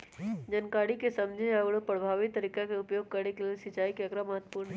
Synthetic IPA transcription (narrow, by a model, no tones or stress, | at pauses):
d͡ʒɐnkaːɽikesɐmd͡ʒʱẽɐɡɭopɾəbʱaːʋit̪ːɐɾiːkakeʊpjoːɡ̚kaɽikeliesɪt͡ʃaːikeɐɡɾamɐɦət̪ːə̥puːɾnɦɛ